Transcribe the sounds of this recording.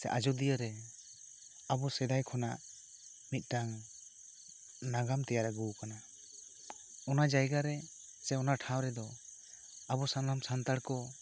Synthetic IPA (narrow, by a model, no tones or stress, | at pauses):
sɛ̰ʔad͡ʒɔd̪ijəɾɛ | abɔsɛd̪ajkʰɔnaʔ | mit̪̚ˀʈaŋ | naɡamt̪ɛjaɾɛɡuwkana | ɔnad͡ʒajɡaɾɛ | sɛɔnaʈʰãwɾɛd̪ɔ | abɔsanlamsant̪aɽkɔ